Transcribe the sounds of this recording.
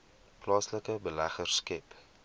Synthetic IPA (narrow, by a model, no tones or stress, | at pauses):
plɑːsləkəbəlæχərskɛp